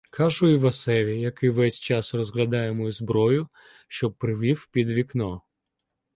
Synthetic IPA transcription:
kʰɑʒʊiʋɐsɛʋʲijɐkɪʋɛsʲt͡ʃɑsrɔzɦlʲɐd̪ɑjemɔizbɾɔjʊ | ʃt͡ʃɔpɾɪʋʲiwpʲid̪ʋʲiknɔ

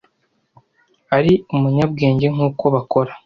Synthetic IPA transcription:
aɾiumuɲab̚ɡe̞ːɲɟe̞ŋ̥uːko̞βako̞ɾḁ

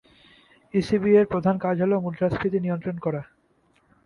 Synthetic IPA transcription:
isibieɾpɾod̪ʱankad͡ʑʱɦolemuld͡ʒɾaspʰɾit̪inijont̪ɾonkɔɾa

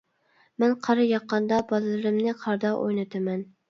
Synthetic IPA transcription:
mænqʰɑɾɨjɑqːɑnd̪ɑbɑlɨlˠɨɾɪmnɪqʰɑɾd̪ɑʔo̰jnɨt̪ʰɨmɛn

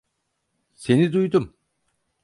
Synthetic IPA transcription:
se̞nid̪ujd̪um

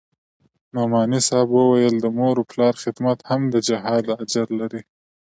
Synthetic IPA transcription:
nomɑnisɑbwəwajəld̪əmoɾoplɑɾxɪd̪mat̪hamd̪əd͡ʒaɦɑd̪ad͡ʒaɾlaɾi

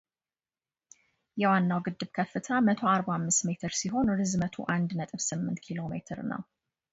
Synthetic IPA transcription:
jɛwanːawɡɨd̪ːɨβkʰəfːɨt̪ʰamət̪ʰoaɾbamːɨst̪me̞t̪ʰɨɾsiɦo̞nɾɨzmət̪ʰo̰ʔand̪nət̪ʼɨβsɨmːɨnt̪kʰilo̞mḛt̪ʰɨɾnə̰w

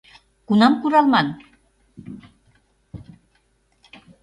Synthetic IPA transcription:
kunɑmkuɾɑlmɑn

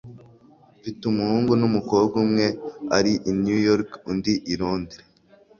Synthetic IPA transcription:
vitumuhuːŋɡunumuko̞ːbɡumŋe̞aɾiʔinjujoɾkundiʔiɾoːndiɾe

